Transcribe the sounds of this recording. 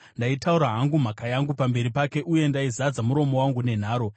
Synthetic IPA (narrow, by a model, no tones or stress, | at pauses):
ndaitauɾaɦaŋɡum̤akajaŋɡupambe̞ɾipake̞ʔuje̞ndaizad͡zamuɾo̞mo̞waŋɡune̞n̤aːɾo